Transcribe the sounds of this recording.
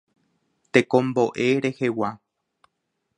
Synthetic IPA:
t̪ekõ̞mboʔeɾe̞hewa

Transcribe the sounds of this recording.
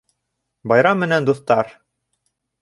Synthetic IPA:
bɑjɾɑmːɘ̆nænd̪uθt̪ɑɾ

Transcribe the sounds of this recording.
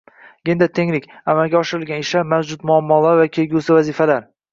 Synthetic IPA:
ɡʲend̪at̪ʰeŋlɪkʲamalɡʲaɒʃɪɾɪlɡʲanɪʃamawd͡ʒʊt̪mʊamːɒlaɾvakʲʰe̞lɡʲusɪvazifalaɾ

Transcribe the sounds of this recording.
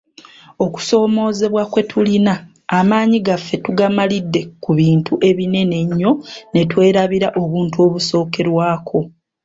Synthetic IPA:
o̞ku̥so̞ːmo̞ːze̞βwakwe̞tʰulinaː | maːɲiɡafːe̞tuɡamalidːe̞kuβiːntuʔe̞βine̞ne̞ɲːo̞ne̞twe̞ːɾaβiɾaʔo̞βuːntuo̞βuso̞ːke̞ɾwaːkʰo̞

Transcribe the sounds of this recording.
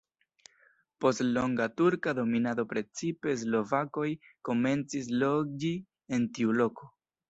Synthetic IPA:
po̞stlo̞ŋɡatuɾkado̞minado̞pɾe̞t͡sipe̞s̬lo̞vako̞jko̞me̞nt͡sis̬lo̞ɡi | e̞ntiulo̞ko̞

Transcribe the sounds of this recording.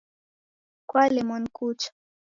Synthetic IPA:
kwalɛmɔnkut͡ʃḁ

